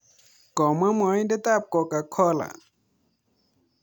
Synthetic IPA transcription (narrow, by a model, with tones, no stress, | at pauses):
kɔ˨ma˦mɔ˨˦j̃de˦t̪a˦˨p̚kɔ˨ka˨kʰɔ˦la̰˨